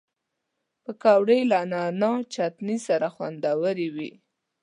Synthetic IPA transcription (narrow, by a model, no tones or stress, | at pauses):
pəkɑwɽəjlanɑnɑt͡ʃat̪nisaɾaxwa̰nd̪awəɾiwi